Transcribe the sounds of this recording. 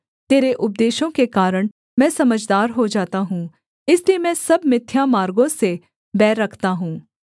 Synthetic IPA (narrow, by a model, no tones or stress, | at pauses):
t̪eːɾeʔʊp̚d̪eːʃõkekaːɾəɽ̃ | mɛ̃ːsɐməd͡ʒd̪aːɾɦod͡ʒaːt̪aɦũ | ɪsliemɛ̃ːsɐbmɪt̪ʰːjamaːɾɡõse | bɛːɾːɐkʰt̪aɦũː